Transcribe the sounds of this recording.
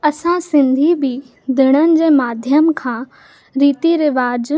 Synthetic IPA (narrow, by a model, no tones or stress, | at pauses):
ɐsãsɪ̃nd̪ʱibi | d̪ʱɪɽ̃ənɪ̆d͡ʑeːmaːd̪ʱjəmkʰãː | ɾiːt̪iɾɪʋaːd͡ʑ